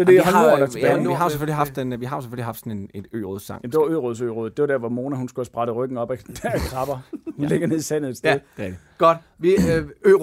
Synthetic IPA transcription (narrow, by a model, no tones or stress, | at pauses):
sɒd̥e̝hɒnodɑ̥eiɦɑ̈oseføliɑ̈fd̥enʋiɦɑ̈jose̥føliɦɑ̈fd̥sɒne̝ne̝d̥ø̰ːʁoðˠsɑ̈ŋ̰jemd̥e̝ʋɑ̈øːʁoð̞ˠsø̰ːʁoːð̩ˠd̥e̝ʋad̥æɐʋɒmo̝ːnæhunsɡ̥uæsb̥ʁɑ̈ɾ̥əʁœɡ̥n̩ɒ̽b̥æ̥ækʰʁɑ̈b̥ɐhunleɡ̥ɐne̝ðˠisæn̰ð̩ˠed̥sd̥ð̥ˠde | ɡ̥ɒd̥ | ʋiø